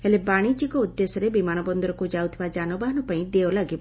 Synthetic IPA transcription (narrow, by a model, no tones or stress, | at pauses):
elebaɽ̃id͡ʒikɔud̪ːesɔɾebimañɔbɔnd̪ɔɾɔkud͡ʒawt̪ʰibad͡ʒanɔbaɦɔnɔpaĩd̪eɔlaɡibɔ